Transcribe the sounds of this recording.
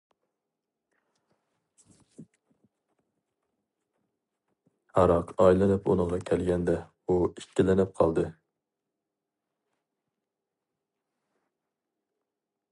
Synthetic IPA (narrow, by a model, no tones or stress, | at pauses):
hɑɾɑqʰɑjlɨnɪpṵnəŋʁɑkʲʰɛlɡʲɛnd̪ɛ | uiʃkʲːɪlɪnɪp̚qʰɑlˠd̪ɨ